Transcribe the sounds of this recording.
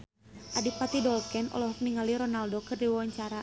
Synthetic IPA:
ʔadipat̪idɔlkɛnʔɔ̰lɔɦɔk̚niŋaliɾɔnaldokɨrdiwɔwaɲt͡ʃaɾa

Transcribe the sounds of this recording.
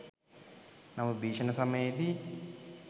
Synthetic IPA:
nɐmɐbiːʂɐnɐsɐmɐjed̪i

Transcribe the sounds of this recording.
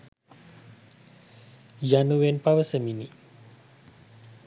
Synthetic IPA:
januwenpawəsəmini

